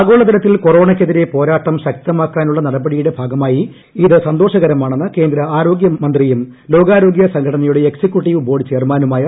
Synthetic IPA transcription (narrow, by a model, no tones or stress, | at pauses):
aːɡo̞ːɭɐðiɾɐt̪ːilko̞ro̞ːɳɐk̬ʲːeðiɾe̞po̞ːɾaːʈːɐmɕɐk̚t̪ɐmaːkːaːnuɭːɐnɐɽɐbɐɽijuɽe̞bʱaːɡɐmaːji | iðɨsɐnd̪o̞ːʂɐɣɐɾɐmaːɳenːɨke̞ːnd̪ɾɐaːɾo̞ːɡjɐmɐnd̪rijum | lo̞ːɡaːɾo̞ːɡjɐsɐŋɡʰʱɐɽɐnɐjuɽeeksikʲjuʈːiʋɨbo̞ːɽt͡ɕe̞ːrmaːnumaːjɐ